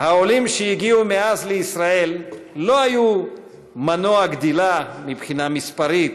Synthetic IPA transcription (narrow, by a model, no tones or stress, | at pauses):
hao̞limʃejiɡiumeazleisʁae̞lːo̞aju | manoaɡd̪ilamipχinamispaʁit̪